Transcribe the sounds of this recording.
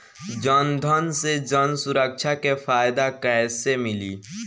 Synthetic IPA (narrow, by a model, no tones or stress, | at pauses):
d͡ʒənd̪ʱənsed͡ʒənsʊɾəkʃʰakefʰaːjɪd̪akɛɪsemɪliː